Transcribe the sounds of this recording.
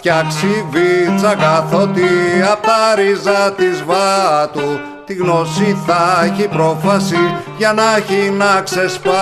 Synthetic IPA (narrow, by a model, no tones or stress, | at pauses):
cɐksivit͡sɐkɐθot̪iɐpot̪ɐɾizɐt̪izvɐt̪u | t̪iɣno̞siθɐeçipɾo̞fɐsiʝɐnɐçinɐksespɐ